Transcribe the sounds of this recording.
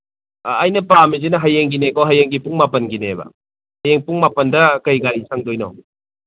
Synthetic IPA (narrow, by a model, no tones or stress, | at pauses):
jnɐpamizinɐɦajeŋɡinekoɦajeŋɡipuŋmapɐnɡinebɐ̰ | hɐjeŋpuŋmapɐndɐkɐjɡaɾisaŋdojnɔ̰